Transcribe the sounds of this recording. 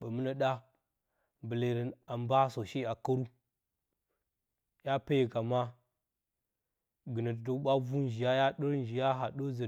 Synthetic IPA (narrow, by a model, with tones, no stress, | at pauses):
ba˨mə˦na˦ɗa˦ | bə˨le˨ɾi˨na˨mba˦so˨ʃi˦a˨kə˦ɾu˦ | ja˦pe˦je˨ka˨ma˦ | ɡɨ˨nə˨tdo˦ɓa˦vu˦nd͡ʒi˨ja˦ja˦ɗə˦ɾn˦d͡ʒi˨ja˦ɦa˨ɗo˦zə˨